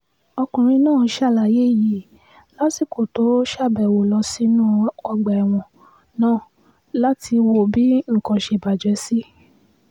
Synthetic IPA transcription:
ɔ˧kũ˨ɾ̃ĩ˧nãː˦˨˧ʃa˦˨la˨je˦˨ji˨ | la˦si˨ko˨to˨˦ʃa˦˨bɛ˨wo˨lɔ˧si˦nũ˦ɔ˧ɡ͡bɛ˨w̃ɔ̃˧˨ | nãː˦˨ | la˦ti˧wo˦˨bi˨˦ŋ̩˨kɔ̃˧ʃe˧˨ba˨d͡ʒɛ˨˦si˦

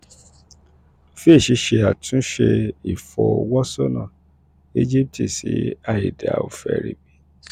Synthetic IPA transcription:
fe˦˨ʃi˧˦ʃe˧a˨tũ˨˦ʃe˧i˨fɔ˨o˨wɔ˦so˦nã˦˨ | e˦d͡ʒi˦p̚tʰi˦˨si˨˦a˦˨ji˨da˨a˨o˧˨fɛ˧˨ɾi˨bi˦

